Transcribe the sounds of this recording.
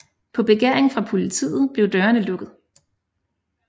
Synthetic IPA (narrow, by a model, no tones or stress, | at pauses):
pʰɒ̽b̥e̝ɡ̥eɐ̰e̝ŋfʁɑ̈pʰo̝lit͡sʰḭːð̞̩ˠb̥le̝ʊd̥ɶːɐnəlɔ̽ɡ̥ð̩ˠ